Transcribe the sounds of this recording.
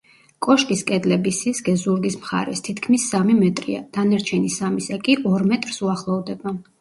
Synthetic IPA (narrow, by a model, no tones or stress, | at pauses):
kʼɔʃkʼiskʼɛd̪lɛbisisɡɛzuɾɡismχa̰ɾɛ̰st̪ʰit̪ʰkʰmisːamimɛt̪ʼɾḭa̰d̪̥anaɾt͡ʃʰɛnisamisɛkʼiʔɔɾmɛt̪ʼɾsuaχlˠɔvd̪ɛba